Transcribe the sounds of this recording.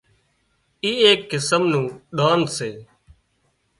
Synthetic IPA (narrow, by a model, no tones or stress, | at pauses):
iːeːkːɪsəmnũːɗaːnseː